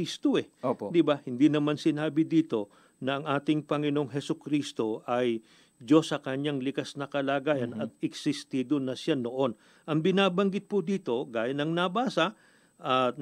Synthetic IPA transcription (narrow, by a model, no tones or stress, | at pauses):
ist̪oɛopd̪ɪbahɪnd̪inɐmansɪnaːbɪd̪iːt̪o̞ | nɐɐŋʔaːt̪ɪŋpɐŋɪno̞ŋɦɛsʊkɾist̪o̞ʔɐj | d͡ʒo̞sːɐkɐɲːaŋlɪkasnɐkɐlaːɡaːjɐnɐt̪̚ɪksɪst̪id̪onɐʃanoʔo̞n | ʔɐŋbɪnaːbɐŋɡɪt̪̚pʊd̪iːt̪o̞ɡaːjɐnɐŋnɐbaːsɐ | ʔɐ